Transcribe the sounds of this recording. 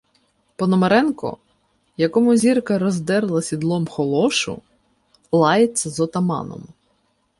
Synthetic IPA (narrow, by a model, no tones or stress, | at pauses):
pɔnɔmeɾɛnkɔ̰ | jɐkɔmʊzʲirkɐɾɔzd̪ɛɾlˠɐsʲid̪lˠɔmxɔlˠɔʃʊ̰ | lˠɑjet͡sʲːɐzɔt̪ɐmɑ̰nɔ̰m